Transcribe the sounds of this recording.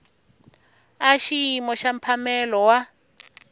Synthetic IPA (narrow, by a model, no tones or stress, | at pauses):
aʃiimɔʃam̩pʰamɛlɔwa